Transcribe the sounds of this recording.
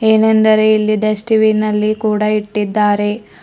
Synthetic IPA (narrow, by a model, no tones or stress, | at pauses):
eːnend̪ɐɾejilːid̪ɐsʈiʋinɐlːikuːɽɐiʈːid̪ːaːɾe̞